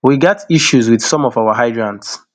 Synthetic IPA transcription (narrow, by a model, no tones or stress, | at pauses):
wiɡɛtʰiʃuzwið̥sɔ̃mɔvawaɦaɪdɹãnds